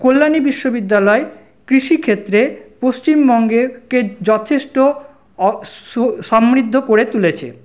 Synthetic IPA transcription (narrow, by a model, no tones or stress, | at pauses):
kolːanibiʃːobid̪ːalɔe | kɾiʃikʰet̪ːɾepost͡ɕimbɔŋɡeked͡ʑɔt̪ʰeʃʈo | ʃɔmɾid̪ʱːokoɾet̪ulet͡ɕʰḛ